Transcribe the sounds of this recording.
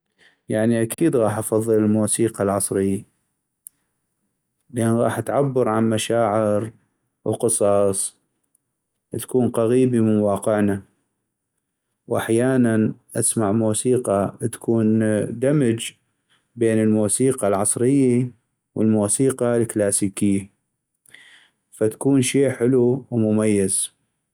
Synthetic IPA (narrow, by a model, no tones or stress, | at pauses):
jaʕniʔak̪iːd̪ɣɑːħʔɑfɑðˤːɨlɪlmuːsiːqɑlʕɑsˤɾɪjːa | lʔaːnɣɑ̰ːħʔat̪ʕabːɑɾʕanmaʃaːʕɪɾ | wqɨsˤɑːsˤ | t̪ḁkuːnqaɣiːbimɪnwɑːqɪʕna | wʔaħjaːnanʔasmaʕmuːsiːqɑt̪ḁkʰuːnd̪amɪd͡ʒ | beːnəlmuːsiːqɑlʕɑsˤɾɪjːi | wʔəlmuːsiːqɑlklaːsiːkɪjːa | fat̪ḁkuːnʃiːħɪluwmʊmajːɪz